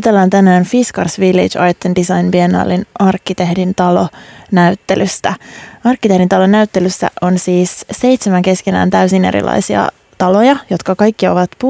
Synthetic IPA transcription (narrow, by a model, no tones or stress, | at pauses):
ot̪elːɑːnt̪ænæːnfiskɑrsʋilːḭd͡ʒɑjt̪ːendisɑjnpienɑ̰ːlːinɑrkːit̪ehdint̪ɑlo̞næyt̪ːelyst̪æɑrkːit̪ehdint̪ɑlonæyt̪ːelysːæ̰ʔo̞nsiːsse̞jt̪semæŋke̞skenæ̰ːnt̪æysinḛɾḭlʔɑ̰jsiɑ̰ | t̪ɑlojɑjo̞t̪kɑkɑjkːio̞̰ʋɑt̪pu